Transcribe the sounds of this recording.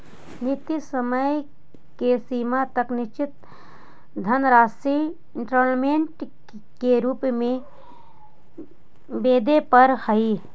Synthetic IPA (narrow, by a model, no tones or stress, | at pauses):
nɪt̪ːisəməj | kesiːmat̪əknɪʃt͡ʃɪt̪ | d̪ʱənɾaːsɾi | ʈɾoːɾnmeɳʈ | keɾuːpmẽ | beːd̪epəɾhəi